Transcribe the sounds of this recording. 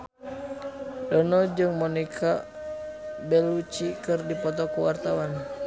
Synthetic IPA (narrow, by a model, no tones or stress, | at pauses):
dɔnɔd͡ʒɨŋmɔnikʰa | bɛlut͡ʃikɨrdipɔt̪ɔkuwart̪awan